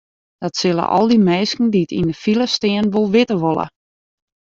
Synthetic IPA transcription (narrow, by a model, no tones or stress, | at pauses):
d̥ɔtsɪlˠə̰ʔɔ̰lˠdimɛːskn̩diətḭndəfilˠəstɪənʋolˠʋɪtəʋolˠə̰